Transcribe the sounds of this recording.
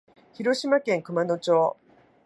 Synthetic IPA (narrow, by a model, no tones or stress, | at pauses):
çiɾo̞ɕimakẽ̞ŋkɯ̟mano̞t͡ɕo̞ː